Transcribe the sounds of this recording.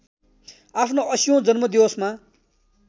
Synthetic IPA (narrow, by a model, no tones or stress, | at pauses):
apʰnoʔʌsijõd͡zʌnmʌd̪iosma